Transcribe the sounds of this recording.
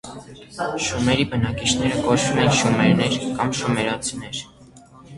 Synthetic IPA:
ʃumɛɾibənɑkit͡ʃʰnɛɾəkɔt͡ʃʰvumɛnʃumɛɾnɛɾkɑmʃumɛɾɑt͡sʰinɛɾ

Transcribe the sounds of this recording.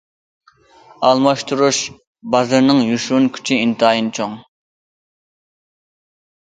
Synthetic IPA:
ɑlˠmɑʃt̪ʰuɾuʃ | bɑzɨɾnɨŋjuʃunkʲʰy̥t͡ʃʰiint̪ʰɨɑːjint͡ʃʰoŋ

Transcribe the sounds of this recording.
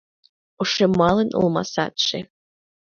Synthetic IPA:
uʂemɑlˠɤnɤ̰̆lˠmɑ̰sɑ̰t̪ʃe

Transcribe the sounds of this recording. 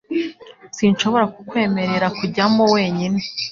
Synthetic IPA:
sinʃo̞βo̞ɾakukwe̞ːme̞ɾe̞ɾakuɟamowe̞ːɲine

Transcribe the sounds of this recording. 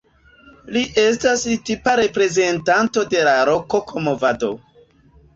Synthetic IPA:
liʔe̞stastipaɾe̞pɾe̞ze̞ntanto̞de̞laɾo̞kokʰomovado̞̰

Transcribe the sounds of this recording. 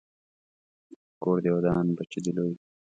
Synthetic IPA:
koːɽd̪ewɐd̪ɑːnbɐt͡ʃid̪iloj

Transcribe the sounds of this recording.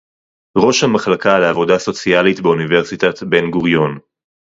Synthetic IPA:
ʁo̞ʃhamaχlakaleavo̞daso̞t͡sialitbeunive̞ʁsit̪at̪be̞nɡuʁjo̞n

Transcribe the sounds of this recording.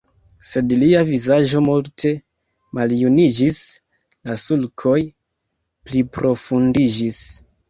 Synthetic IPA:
se̞dliavizaʒo̞multʰe̞ | maljunid͡ʒis | lasulkʰo̞j | plipɾʔo̞fundid͡ʒis

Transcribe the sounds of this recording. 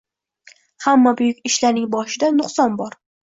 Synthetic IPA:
hamːabʊjʊkʲɪʃlaɾnɪŋbɒʃɪd̪anʊqsɒnbɒɾ

